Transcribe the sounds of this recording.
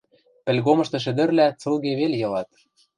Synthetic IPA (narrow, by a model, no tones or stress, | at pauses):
pɘ̆lɣomɤ̆ʃt̪ɤ̆ʃ̬ɘ̆d̪ɘ̆rlæt͡sɤlˠɣeβeljɤ̆lɑt̪